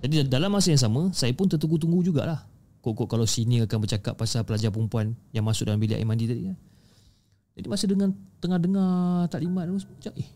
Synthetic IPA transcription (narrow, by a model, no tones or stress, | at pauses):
d͡ʒadidalamːasajaŋs̬amə̃sajapʊnt̪ət̪̬uŋɡut̪̬uŋɡud͡ʒuɡa̰ʔlah | koʔkoʔkalawsiniəakanbərt͡ʃaka̰ʔ̪̚pasapəlad͡ʒapəɾumpuanjaŋmasʊk̚dalambiliʔa̰mãndit̪adḭkan | d͡ʒadimasəhdəŋant̪əŋahdəŋat̪aʔlimat̪̚dəasəpət͡ʃaʔɪh